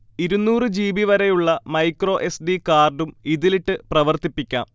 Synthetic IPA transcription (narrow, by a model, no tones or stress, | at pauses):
iɾunːuːrɨd͡ʑiːbiʋɐɾejuɭːɐmɐjkro̞ːʔe̞sɖikaːrɖumiðiliʈːɨprɐʋɐrt̪ipːikʲːa̰ːm